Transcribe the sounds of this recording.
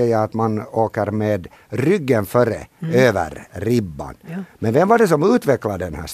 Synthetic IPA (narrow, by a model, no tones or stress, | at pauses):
jaat̪manoːkəɾmeːd̪ | ɾʏɡːənfœɾə̰øːvə̰ɾːɪbːa̰nmɛnvɛmvaɖɛs̬ɔmʉːt̪vɛkːlad̪əɛnhæ̰ːʂ